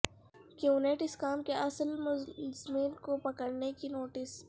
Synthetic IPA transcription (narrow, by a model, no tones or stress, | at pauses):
keuneːʈɪskaːmkeʔɐsəlmʊzmiːnkopɐkəɽnekinoːʈɪs